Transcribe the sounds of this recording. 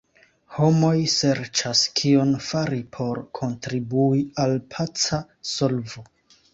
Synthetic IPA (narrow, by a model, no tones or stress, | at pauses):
ho̞mo̞jse̞ɾt͡ʃaskʰionfaɾipʰo̞ɾkʰo̞ntɾibuialpʰat͡sa | so̞lvo